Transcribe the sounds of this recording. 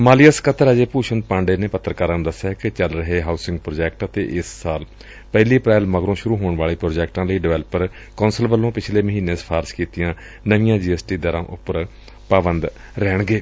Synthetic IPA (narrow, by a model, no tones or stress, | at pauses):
maːlɪjəskət̪əɾəd͡ʒeːpuːʃən̚pãːɳɖeːneːpət̪ːəɾkəɾənd̪əsɛɛkɪt͡ʃəlɾəɦeːɦaːʊsɪ̃ŋɡ̚pɾoːd͡ʒɛːkʈət̪ḛːʔɪsːaːl | pɛːliːpɾɛːlməɡɾõːʃʊɾuːɦoːɳ̃ʋaːleːpɾoːd͡ʒɛːkʈãːləiːɖɪʋɛːləpəɾ | kɔːnsəlʋəlːõːpɪt͡ʃʰleːməɦiːneːsə̥pʰaːɾskiːt̪ɪjãː | nəʋɪjãːd͡ʒiːɛːsʈiːd̪əɾãːʔʊpəɾ | paːbənd̪ | ɾɛːɳ̃ɡeː